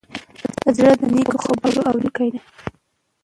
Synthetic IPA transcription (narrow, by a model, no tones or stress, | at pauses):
d̪əzɽəd̪ənekoxobɑɾoawɾikajd̪a